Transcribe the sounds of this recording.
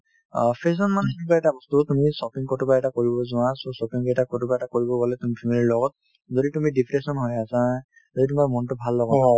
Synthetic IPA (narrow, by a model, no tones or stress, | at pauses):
pʰes̬ɔnmanxinikɔaɛtabɔstutumisɔpiŋkɔtupaɛtakoɹibɔzʊwasosɔpiŋkɛtakɔtupaɛtakoɹibɔbɔlɛtumipʰimiliilɔɡɔt̚ | zoditumidipʰɹesɔnɦojasa | zoditumaɹmɔntʊbʱalːɔɡɔn